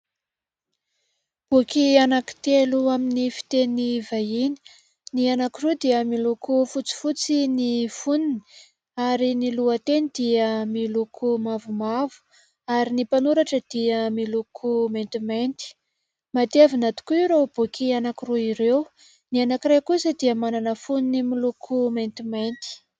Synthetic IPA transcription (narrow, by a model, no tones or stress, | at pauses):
b̥ukianaki̥t̪eluaminifi̥t̪enivajini̥ | nianakirud̪iəmilukufut͡si̥fut͡sinifunini̥ | aɾiniluət̪enid̪̥iəmilukʰumavumavu̥ | aɾinipanuɾaʈ͡ʂəd̪̥iəmilukʰumant̪imajnt̪i̥ | mat̪iavinat̪u̥kuiɾob̥okʰianakiruiɾew | nianakiɾekusəd̪iəmananəfuninimilukʰumant̪imajnt̪i̥